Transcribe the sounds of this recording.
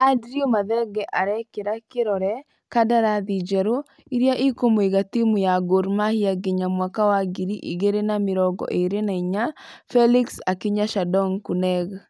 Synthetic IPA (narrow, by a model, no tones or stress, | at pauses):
adɾiomaðɛɡɛʔaɾɛkeɾakeɾɔɾɛ | kadaɾaðid͡ʒɛɾo | iɾjaʔikomoeɣatimujaɡoɾmahiaɡeɲamwakawaɡiɾiʔḭɣeɾenameɾɔɡɔ̰ʔeɾenaiɲafɛliksakiɲaʃadɔŋkunɛɣ